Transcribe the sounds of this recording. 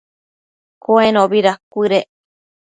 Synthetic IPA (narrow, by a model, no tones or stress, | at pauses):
koenõβiɾakʷiɾe